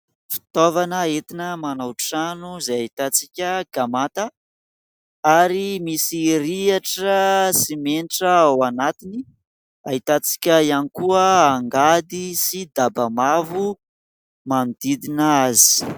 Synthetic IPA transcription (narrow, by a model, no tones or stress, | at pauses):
fi̥t̪ovanəet̪inəmanawʈ͡ʂanuzajaɦit̪at͡sikʲəɡ̥amat̪a | aɾimisiɾiaʈ͡ʂəsimenʈ͡ʂəawanat̪ini | aɦit̪at͡si̥kʲəianikuəaŋɡad̪isid̪abamavu | mand̪id̪inaazi̥